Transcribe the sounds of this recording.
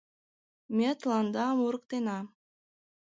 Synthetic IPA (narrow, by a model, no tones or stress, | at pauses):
mʲet̪lˠand̪ɑmuɾk̚t̪ena